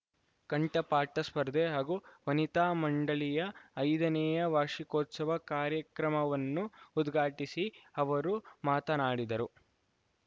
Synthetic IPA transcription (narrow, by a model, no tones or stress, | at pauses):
kɐɳʈɐpaːʈɐspɐɾd̪eɦaːɡuːʋɐnit̪aːmɐɳɖɐɭijɐːjd̪ɐnɛjɐʋaːʂikoːt̪sɐʋɐkaːɾjɐkɾɐmɐʋɐnːuːd̪ɡʱaːʈisiɐʋɐɾumaːt̪ɐnaːɽid̪ɐɾu